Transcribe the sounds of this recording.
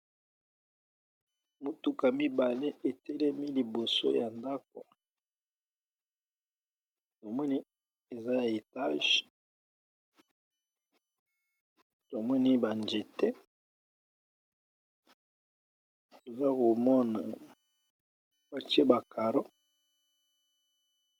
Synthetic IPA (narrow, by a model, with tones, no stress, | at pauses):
mu˦tu˦ka˨mi˦ba˨le˦ʔe˨te˦lɛ˦mi˦li˨bo˨so̰˦ja˨nda˦k̚o̰˨ | to˨mɔ˦ni˦ | e˨za˦ja˨e˨ta˦ʒ | to˨mɔ˦ni˦ba˨nd͡ʒe˨tɛ˦ | to˨za˦ko˨mɔ˦na˨ | wa˦t͡ʃi˦e˦ba˨ka˨ɾo˦